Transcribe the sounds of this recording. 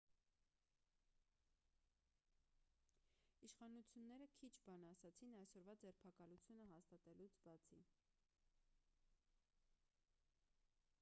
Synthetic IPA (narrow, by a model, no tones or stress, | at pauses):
iʃχɑnut͡sʰjunːɛɾəkʰit͡ʃʰbɑnɑsɑt͡sʰinɑjsɔɾvɑd͡zɛɾpʰɑkɑlut͡sʰjunəɦɑst̪ɑt̪ɛlut͡sʰbɑt͡sʰi